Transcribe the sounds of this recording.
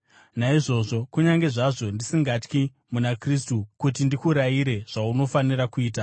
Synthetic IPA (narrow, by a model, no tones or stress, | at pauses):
naiʐo̞ːʐo̞kuɲaŋɡe̞ʐaʐo̞ndisiŋɡat͡ʃki | munakristukutindikuɾaiɾe̞ʐ̥auno̞faniɾakuiːta